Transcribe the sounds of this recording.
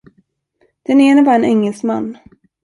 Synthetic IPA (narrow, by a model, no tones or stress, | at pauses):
d̪̥ɛneːnəbɑːɾaɛnɛŋːɛlsmanː